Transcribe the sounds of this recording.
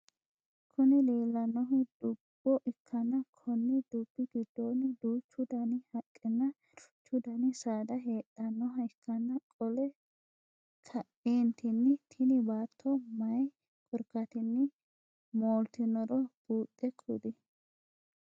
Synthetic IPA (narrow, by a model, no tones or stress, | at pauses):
kʰʊnɪleːlːɐnːɔɦʊd̪̥ʊb̥ːɔʔɪkʰːɐnːɐkʰɔnːɪd̪ʊb̥ːɪɡɪd̪ːonɪd̪uːt͡ʃːʊd̪ɐnɪhɐkʼːɪnːɐ | t͡ʃːʊd̪ɐnɪsaːd̪ɐɦeːt̪ʼːɐnːɔɦɐɪkʰːɐnːɐkʼɔlɛ | kʰɐʔeːnt̪ʰɪnːɪt̪ʰɪnɪbaːt̪ʰːɔmɐj | kʼɔɾkːɐt̪ɪnːɪ | moːlt̪ɪnɔɾɔb̥uːt̪ʼːɛkʰʼːṵd̪ɪ